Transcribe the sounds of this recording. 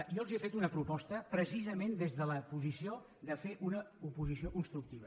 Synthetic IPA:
jɔlˠziəfet̪unəpɾupɔst̪əpɾəsizəmend̪ezðələpuzisio | d̪əfeʔunəupuzisiokunst̪ɾuk̚t̪iβ̞ə

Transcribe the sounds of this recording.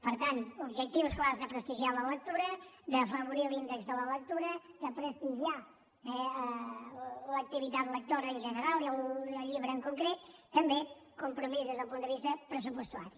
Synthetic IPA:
pəɾt̪ant̪ubʒək̚t̪iwsklazðəpɾəst̪iʒialələk̚t̪uɾəd̪əfəβuɾilind̪əkzðələlək̚t̪uɾəðəpɾəst̪iʒia | ɛə | lək̚t̪iβit̪at̪lək̚t̪oɾəːnʒənəɾalˠiələʎiβɾəːŋkuŋkɾet̪ːəmbekumpɾumizðezðəlˠpund̪əβist̪əpɾəsupuəst̪ua̰ɾi

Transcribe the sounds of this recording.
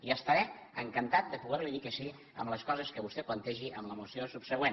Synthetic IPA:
iəst̪əɾɛəŋkənt̪at̪̚d̪əpuɣɛɾliðikəsi | ə̰mləskɔzəskəβust̪ɛplənt̪ɛʒiʔəmləmusiosupsəɣwen

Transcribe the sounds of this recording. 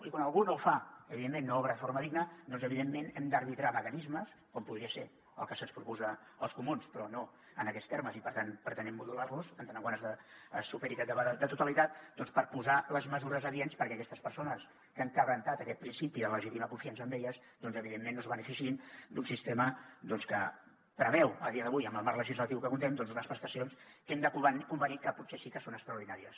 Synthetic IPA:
ikwanəlˠɣunowfaəβiðemːenːoɔβɾəðəfoɾməðiɡnəd̪ɔnzəβiðemːenɛmd̪ərβit̪ɾaməkənizməs | kɔmpuðɾiəse | ə̰lˠkəsənspɾupuzə | əlˠskumunspɾɔno | ənəkɛst̪eɾməzipəɾt̪anpɾət̪ənɛmːuðularluzənd̪ənaɣwanəzðəsupəɾit̪at̪d̪ət̪ut̪əlit̪at̪̚d̪ɔnspəɾpuzaləzməzuɾəzəðienspəɾkɛəkɛst̪əspəɾsonəs | kəŋkəβɾənt̪at̪əkɛt̪̚pɾinsipiðələʒit̪iməkuɱfiansəːmbeʎəz | d̪ɔnzəβiðemːenːozβənəfisiind̪unsist̪eməd̪ɔnskə | pɾəβɛwəlˠðiəðəβujəmbəlˠmarləʒizlət̪iwkəkunt̪ɛmd̪ɔnzunəspɾəst̪əsionskɛmd̪əkuβənkumbənikəputsesikəsonəkt̪ɾəwɾðinaɾiəs

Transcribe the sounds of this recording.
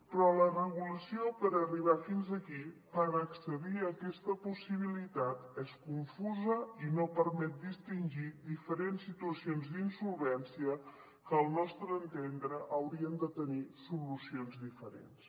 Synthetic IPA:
pɾɔlərəɣuləsiopəɾəriβ̞afinzəkipəɾəksəðiəkɛst̪əpusiβ̞ilit̪at̪ɛskuɱfuzəinopəɾmɛt̪̚d̪ist̪inʲʒid̪ifəɾensːit̪uəsionzd̪insulˠβɛnsiə | kəːlˠnɔst̪ɾəːnt̪end̪ɾəʔəwɾiənd̪ət̪ənisulusionzd̪ifəɾḛns

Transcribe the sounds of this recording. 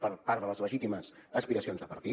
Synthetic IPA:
pəɾpaɾðələzləʒit̪iməzəspiɾəsionzðəpəɾt̪i

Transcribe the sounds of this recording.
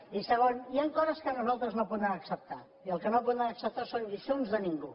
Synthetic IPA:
isəɣoniaŋkɔzəskənuzalˠt̪ɾəznopunaːksəp̚t̪a̰ | iəlˠkənop̬uaəksəp̚t̪asonʎiʃonzðəniŋɡu

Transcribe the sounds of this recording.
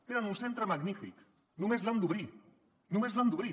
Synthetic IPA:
eɾanunsent̪ɾəmaɣnifḭk | nũmezland̪uβɾi | nũmezland̪uβɾi

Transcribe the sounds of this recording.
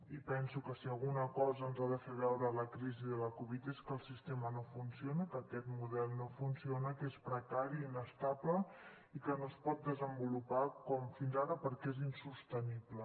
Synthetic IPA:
ipɛnsukəsiəlˠɣunəkɔzəːnzaðəfeβɛwɾələkɾiziðələkuβit̪eskəlˠsist̪emənofunsionəkəkɛt̪muðɛlˠnofunsionəkespɾəkaɾiinəst̪ablə | ikənoəspɔt̪̚d̪əzəmbulupakɔmfinzaɾəpəɾkezinsust̪əniblə

